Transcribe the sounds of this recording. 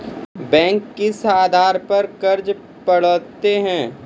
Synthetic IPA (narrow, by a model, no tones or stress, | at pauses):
bɛ̃ːŋkːɪsaːd̪ʱaːɾpɐɾkɐɾd͡ʒ | pɐɽət̪ːeɦɛ̃ː